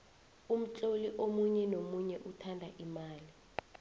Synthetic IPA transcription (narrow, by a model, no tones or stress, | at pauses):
um̩t͡ɬʼoliʔomuɲɛnomuɲɛʔutʰandʱaʔimaːli